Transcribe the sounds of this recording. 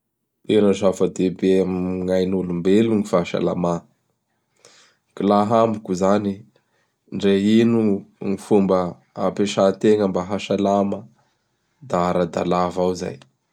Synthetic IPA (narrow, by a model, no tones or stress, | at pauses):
eɾəzafəd̪ebemŋajnulumbeluŋifaʃa̰la̰ma | kilaɦambukuzani | ɳɖ͡ʐeinuŋifumbə | a̰peʃat̪eŋəmbaɦaʃalamə | d̪aaɾad̪a̰lavawza̰j